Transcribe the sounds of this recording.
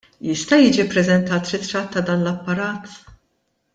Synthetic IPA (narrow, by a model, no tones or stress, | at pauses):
jɪst̪ɐjiːd͡ʒipɾɛzɛnt̪ɐːt̪ɾɪt̪ɾɐt̪ːɐd̪ɐːnlɐpːɐɾɐːt̪